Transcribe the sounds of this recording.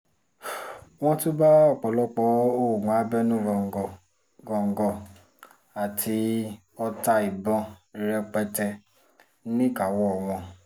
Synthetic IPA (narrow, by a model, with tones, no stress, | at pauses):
w̃ɔ̃˦to˦ba˦ɔ˦˨k͡pɔ˨lɔ˦k͡pɔ˨˦o˦˨ɡ͡bã˨a˨˦bɛ˦nũ˦ɡɔ˨ | ɡɔ˨ŋ̩˨ɡɔ˧ | a˨tʰi˧ | ɔ˧ta˧i˨bɔ̃˧i˧ɾɛ˧k͡pɛ˧tɛ˧˦ | nĩ˦ka˨wɔ˦ɔ˨w̃ɔ̃˧